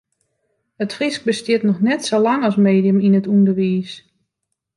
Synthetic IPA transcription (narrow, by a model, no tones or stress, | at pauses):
ətfrisk̚bəstjɪtnɔxnɛtsolaŋɔsmeːdijəminətundərʋiːs